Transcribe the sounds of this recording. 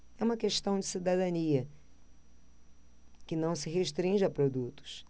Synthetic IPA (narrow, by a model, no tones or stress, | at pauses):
ɛũmɐkeʃt̪ɐ̃w̃d͡ʒɪsid̪ad̪ɐ̃niɐ | kɪnɐ̃w̃sɪɦeʃt̪ɾĩʒɪɐpɾod̪ut̪ʊ̥s